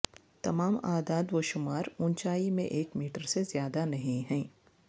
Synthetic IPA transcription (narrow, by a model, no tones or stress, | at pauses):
t̪ɐmaːmaːd̪aːd̪ʋoʃʊmaːɾʊnt͡ʃaːimḛ̃ʔeːkmiːʈəɾsezjaːd̪anɐɦĩɦɛ̃ː